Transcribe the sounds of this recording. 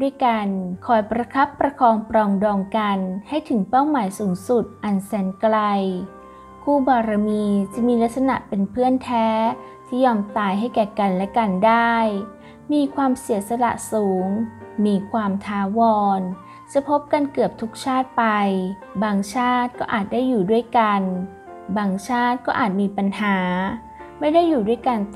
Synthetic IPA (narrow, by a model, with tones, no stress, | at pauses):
u˥˩əjka˧nkʰɔː˩˦jpɾa˧kʰa˦˥pːɾa˧kʰɔː˧ŋpɾɔː˧ŋdɔː˧ŋka˧nha˥˩jt̪ʰɯ˨˩˦ŋpa˥˩wmaː˩˦jsuː˩˦ŋsu˨˩t̪̚ʔa˨˩nsɛː˩˦nkla˧j | kʰuː˥˩bɔː˧ɾa˧miː˧t͡ɕa˨˩miː˧la˦˥k̪̚sa˧na̰˨˩ʔpe˧npʰɯ˥˩ənt̪ʰɛː˦˥ | t̪ʰiː˥˩jɔː˧mt̪aː˧jɦa˥˩jkɛː˨˩ka˧nlɛ˦˥ka˧ndaː˥˩j | miː˧kʰwaː˧msi˨˩˦sa˧la̰˨˩ʔsuː˩˦ŋmiː˧kʰwaː˧mt̪ʰaː˦˥wɔː˧n | t͡ɕa˨˩pʰo˦˥p̚ka˧nkɯ˨˩əp̚t̪ʰu˦˥k̚t͡ɕʰaː˥˩t̪̚pa˧j | baː˧ŋt͡ɕʰaː˥˩t̪̚kɔː˥˩ʔaː˨˩t̪̚daː˥˩jːuː˨˩du˥˩əjka˧n | baː˧ŋt͡ɕʰaː˥˩t̪̚kɔː˥˩ʔa̰ː˨˩t̪̚miː˧pa˧nhaː˩˦ | ma˥˩jda˥˩jːuː˨˩du˥˩əjka˧n